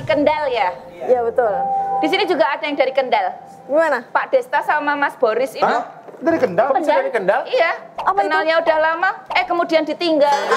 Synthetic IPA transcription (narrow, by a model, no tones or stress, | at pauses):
kəndalja | jabət̪ʊld̥isinid͡ʒuɡaadajaŋdaɾikəndal | ɡimanapaʔd̥est̪asamamasb̥ɔɾɪsin | daɾikəndaəaɾikəndalijakənalɲaudahlamaɛhkəmudiandit̪iŋɡal